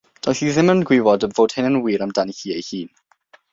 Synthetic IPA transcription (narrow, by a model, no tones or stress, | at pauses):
d̥ɔɬiðɪmənɡwɪwɔdəvoːd̥hɪnənwiːɾamdanihiːejhiːn